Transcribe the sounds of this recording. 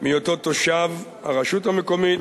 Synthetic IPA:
mijot̪ot̪oʃav | a̰ʁaʃuthamekomi

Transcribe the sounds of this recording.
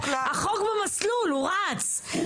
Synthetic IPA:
haχokbemasluluʁat͡s

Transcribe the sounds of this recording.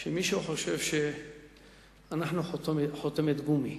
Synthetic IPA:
ʃemiʃuħo̞ʃevʃe | anaħnuot̪ħot̪emet̪ɡumi

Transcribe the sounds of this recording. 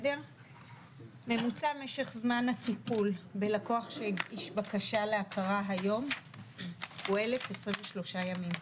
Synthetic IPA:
deʁ | me̞mut͡same̞ʃe̞χzmanhat̪ipulbe̞lako̞aχʃeiʃbakaʃaleakʰaʁaɦajo̞m | ue̞le̞fesʁimɱveʃlo̞ʃajamim

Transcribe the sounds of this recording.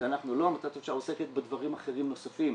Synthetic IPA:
anaχnulo̞amat̪at̪oʃaoseket̪̚bed̪vaʁimaχe̞ʁimno̞safim

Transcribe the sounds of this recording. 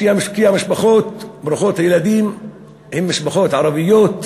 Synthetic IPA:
iamɪʃkiamɪʃbaxoːt̪̚bɾuxoːt̪hajlad̪iːm | hɪmːɪʃbaxoːt̪ʕɑɾˤɑbɪjːoːt̪

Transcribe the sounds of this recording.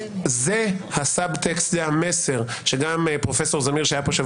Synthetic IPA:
zehasabt̪ekst̪lehameseʁʃeɡampʁo̞feso̞ʁzamiʁʃajapoʃa

